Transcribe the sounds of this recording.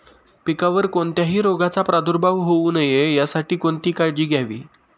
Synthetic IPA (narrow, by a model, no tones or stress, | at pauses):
pikaʋəɾkoɳt̪jaɦiːɾoɡat͡sapɾad̪ʱuɾbʱaʋɦouːnəjejasaʈiːkoɳt̪iːkaɭd͡ʑiːɡʱjaʋḭː